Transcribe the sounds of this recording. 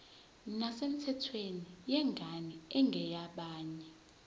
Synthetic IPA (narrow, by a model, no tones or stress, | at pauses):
nasem̩tʰɛtʰwenijɛŋɡʱaniɛŋɡʱɛjaɓaːɲɛ